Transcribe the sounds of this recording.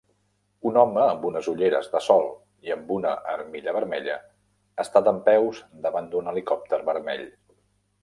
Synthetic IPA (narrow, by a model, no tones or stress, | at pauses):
unɔməːmbunəzuʎeɾə̰zðəsɔlˠ | iəmbunə̰ʔəɾmiʎəβəɾmɛʎə | əst̪at̪əmpɛwzd̪əβand̪unəlikɔp̚t̪əɾβəɾmɛʎ